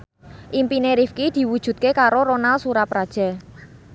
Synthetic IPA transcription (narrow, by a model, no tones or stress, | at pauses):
ʔimpineɾifkid̪̥i̤wud̥ʒ̥ṳt̪̚kekaɾoɾonalsuɾapɾad̥ʒ̥a̤